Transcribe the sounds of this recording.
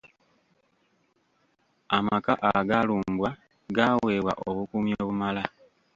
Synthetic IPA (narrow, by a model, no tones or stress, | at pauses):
amakaʔaɡaluːmbwa | ɡaːwe̞ːβwa̰ʔo̞βukumjoːβumala